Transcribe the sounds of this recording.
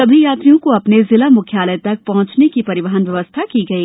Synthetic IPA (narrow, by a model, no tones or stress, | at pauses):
sɐbʱijaːt̪ɾijõkoɐpnezɪlamʊkʰjaːləjt̪ɐk̚pɐɦʊ̃t͡ʃnekipɐɾɪʋəɦənʋjɐʋəst̪ʰakiɡɐiː